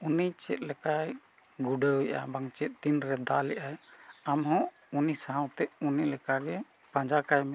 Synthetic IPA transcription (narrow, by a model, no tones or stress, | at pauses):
unijt͡ʃɛ̰t̪̚ˀlɛkaj | ɡuɖəujʔa̰baŋt͡ʃɛt̪̚t̪inɾɛd̪alɛʔajamɦɔ̃ | unisaɦãwt̪ɛʔunilɛkaɡɛ | pãd͡ʒakajmɛ